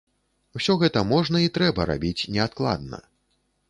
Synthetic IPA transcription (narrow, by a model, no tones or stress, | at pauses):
wsʲɔɣɛt̪ɐmɔʐnɐit̪ɾɛbɐɾa̰bʲit͡sʲnʲɛat̪̚klˠa̰d̪nɐ̰